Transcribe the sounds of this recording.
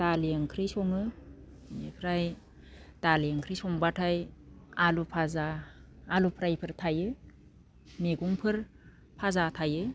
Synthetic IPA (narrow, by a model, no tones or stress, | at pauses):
d̥alijaŋkʰɾijsɔŋɯ | mepʰɾaj | d̥alijeŋkʰɾijsɔŋbatʰajalupʰazaː | lupʰɾajpʰɯɾtʰajɯ | meɡuŋpʰɯɾ | pʰazatʰajɯ